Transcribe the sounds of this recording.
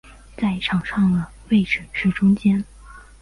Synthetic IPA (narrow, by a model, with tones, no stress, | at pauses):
t͡sa˥˩ɪʈ͡ʂʰɑ˨˩ŋʂɑ˥˩ŋlə˩ | we˥˩ɪʈ͡ʂə˨˩nʂɻ̩˥˩ʈ͡ʂʊ˥ŋt͡ɕjɛ˥n